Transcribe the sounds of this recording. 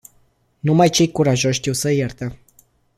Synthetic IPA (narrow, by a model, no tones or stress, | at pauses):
numajt͡ʃe̞jkuɾaʒo̞ʃʲʃt̪iwsəjert̪ə